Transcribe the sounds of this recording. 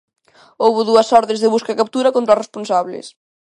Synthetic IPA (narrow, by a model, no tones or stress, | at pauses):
owβʊðuɐsɔɾðẽzðɪβuskakap̚t̪uɾɐkont̪ɾaresponsaβlɪ̰s